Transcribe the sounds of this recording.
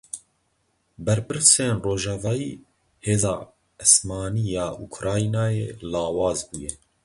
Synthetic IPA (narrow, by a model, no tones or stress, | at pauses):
bɛɾpɨɾseːnroːʒɑːvɑːjiː | heːzɑː | ɨsmɑːniːjɑːʔukʰɾɑːinɑːjeːlɑːwɑːzbuːjɛ